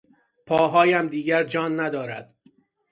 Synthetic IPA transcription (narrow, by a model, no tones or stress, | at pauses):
pʰɒːɦɒːjæmd̪iːɟæɾd͡ʒɒːnːæd̪ɒːɾæ̰d̪̥